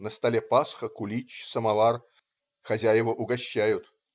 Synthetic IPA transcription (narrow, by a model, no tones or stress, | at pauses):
nəst̪ɐlʲɛpasxəkʊlʲit͡ɕsəmavar | xɐzʲæjɪvəʔʊɡɐɕːæjʊt̪